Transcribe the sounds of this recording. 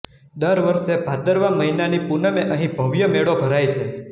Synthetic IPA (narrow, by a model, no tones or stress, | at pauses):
d̪əɾʋəɾʃebʱad̪əɾʋaməɦinanipunəmeʔəɦĩbʱəʋjəmeɭobʱəɾajt͡ʃʰe